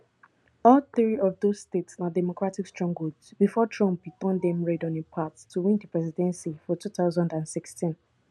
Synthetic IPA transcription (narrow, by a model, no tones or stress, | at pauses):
ɔlθɹiɔvðozstetsnadɛmokɹatikstɹɔ̃ŋɡɹodsbifɔtʰɹɔ̃mp̚itɔ̃ndɛ̃mɹedɔ̃nipʰattʰuwĩndəpʰɹɛzidɛ̃nsifɔtʰuθaʊzɔ̃ndãnsikstʰĩn